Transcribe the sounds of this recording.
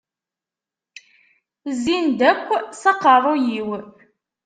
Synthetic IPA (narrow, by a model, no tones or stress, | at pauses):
zind̪ækʷːsɑqːɑɾˤojiw